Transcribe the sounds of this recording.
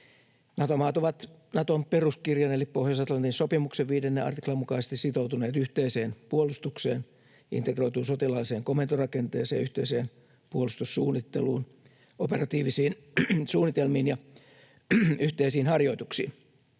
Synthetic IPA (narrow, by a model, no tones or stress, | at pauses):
nɑt̪omɑːt̪oʋɑt̪nɑt̪omperuskirjɑnelippohjɑsɑt̪lɑnt̪insopimukseʋʋiːdenːeɑ̰rt̪iklɑmukɑise̥st̪issit̪owt̪uneːt̪yht̪eiseːnpuolust̪ukseːn | ḭnt̪ekro̞jt̪uːnsot̪ilɑlːiseːŋkomːent̪orɑkent̪eːsḛːjyht̪eiseːn | puolust̪usːuːnːit̪ːeluːn | operɑt̪iːʋisiːn | suːnːit̪elmiːnjɑ | yht̪eisiːnhɑrjo̞it̪uksḭːn